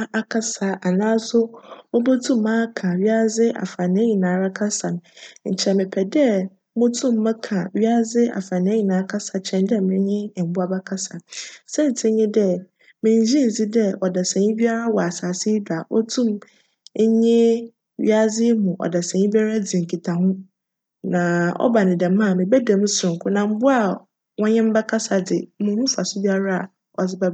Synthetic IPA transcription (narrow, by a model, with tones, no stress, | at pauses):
a˦ʔa˨kʰa˦sa˨ʔa˨nãː˦sʊ˦ɔ˦bo˦tʰũ˦mː˦ãː˦kʰã˨ɥi˦a˦d͡zɪ˦ʔa̰˨fa˨nɪ̃˦ɲĩ˨nãː˨˦˨ɾa˦kʰa˦sa˨ñ˨ɲ̩̰˨t͡ɕʰɛ˨mɪ̃˨pʰɛ˨dɛ˦ | mʊ̃˦tʰũ˦mː˦ã˦kʰã˨ɥi˦a˦d͡zɪ˦ʔa̰˨fa˨nɪ̃˨˦ɲĩ˨nãː˨˦kʰa˦sa˨t͡ɕʰɛ̃˨ndɛ˦mɪ̃˦ɲɪ̃˦˨bu˦a˦ba˦kʰa˦sa˨sɛ̃˦n˨tʰɪ˦ɲɪ̃˦dɛ˦ | mɪ̃˨ɲ˨d͡ʑĩ˦n̩˨si˦dɛ˦ɔ˨dɛ˨sɛ̃˨ɲĩ˦bi˦a˦ɾa˦wɔ˨a˨saː˨sɪ˦da˨ʔɔ̰˦tʰũ˦m˦ | ɲɪ̃˦ | ɥḭ˦a˦d͡zɪ˦mũ˨ʔɔ̰˨dɛ˨sɛ̃˨ɲĩ˦ba˦ɾa˦d͡zĩ˨ŋ̩˨kʰi˨tʰa˨hʊ̃˦ | nã˨ɔ̰˦ba˨nɪ̃˨dɛ˨˦mã˦˨mɪ̃˨bɛ˦dɛ̃˨m˦sʊ̃˨ŋ˨kʰʊ˦nã˨m̩˦bʊ˦a˨ | wɔ̃˦ɲɪ̃˦m̩˦bɛ˦kʰa˦sa˨dɪ˨˦mʊ̃˨˦nũ˦fa˨sʊ˦bi˦a˦ɾa˦a̰˨ | ɔ˨d͡zɪ˦bɛ˦